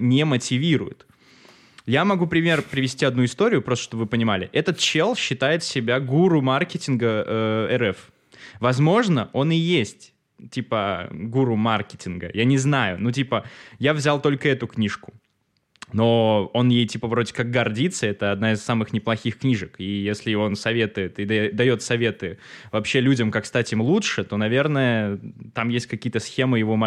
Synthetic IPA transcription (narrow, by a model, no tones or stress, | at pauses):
nʲemətʲɪvʲiɾʊ̰jɪ̰t̪ | jamɐɡupɾʲɪmʲe̞rpɾʲɪvʲɪsʲtʲiɐd̪nuɪst̪o̞ɾʲɪjʊpɾost̪əʂt̪obəvɨpənʲɪmalʲɪ̰ʔɛt̪ət̪t͡ɕelˠɕːɪt̪ajɪt̪sʲɪbʲaɡuɾumarkʲɪtʲɪnɡəəɛɾɛf | vɐzmo̞ʐnəʔo̞nɪjesʲtʲ | tʲipəɡuɾʊmarkʲɪtʲɪnɡə̰janʲɪznajʊnutʲipəjavzʲalˠt̪o̞lʲkəɛt̪ʊknʲiʂkʊ̥ | no̞o̞njejtʲipəvɾo̞dʲɪkaɡ̚ɡɐrdʲit̪səɛt̪əɐd̪naɪsːamɨxnʲɪplˠɐxʲixknʲiʐɨkijesʲlʲɪo̞nsɐvʲe̞t̪ʊjɪt̪ɪd̪d̪ɐjo̞t̪sɐvʲe̞t̪ɨvɐpɕːe̞lʲudʲəmkakst̪atʲɪmlˠutʂɨt̪o̞nɐvʲe̞rnəjət̪amjesʲt̚ʲkɐkʲijət̪əsxʲe̞mɨjɪvo̞ma